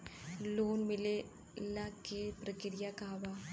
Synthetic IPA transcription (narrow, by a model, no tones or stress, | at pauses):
loːnmɪle | lakepɾəkɪɾɪjakaːʋa